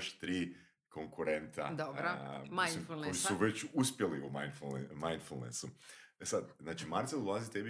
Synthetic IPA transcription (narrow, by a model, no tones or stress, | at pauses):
ʃt̪ɾiː | koŋkuɾent̪a̰d̪obɾomajsimfulˠnoisuʋet͡ɕuspjeliumajnfuemajnfulˠnḛsuesad̪znaːt͡ʃimaɾt̪seld̪ulˠazit̪ebi